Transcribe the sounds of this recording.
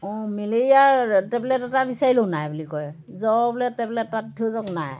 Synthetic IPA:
ɔ̃melejaɹtɛblɛtɛtabisaɹilonajbulikɔj | zɔblɛtɛblɛtːattʰuzɔknaj

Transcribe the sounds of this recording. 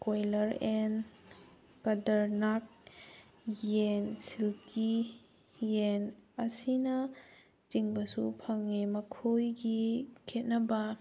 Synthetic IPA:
kojlɐɾen | kɐdɐɾnak̚ | jensilki | jenɐsinɐ | t͡ʃiŋbɐsṵpʰɐŋːemɐkʰojɡikʰet̚nɐbɐ

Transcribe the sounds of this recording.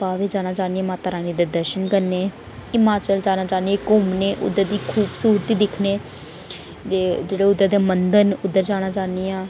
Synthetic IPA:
paːʋeːd͡ʒaːñaːt͡ʃaːniɛ̃ːmaːt̪aːɾaːniːd̪eːd̪əɾʃənkəɾneː | ɪmaːt͡ʃəld͡ʒaːnaːt͡ʃaːnieːkomneːʔʊ̰d̪ːəɾd̪iːkʰuːbsuːɾət̪iːd̪ɪkʰneː | eːd͡ʒeːɽeːʊd̪ːəd̪eːmənd̪ənʊd̪ːəɾd͡ʒaːñaːt͡ʃaːniːãː

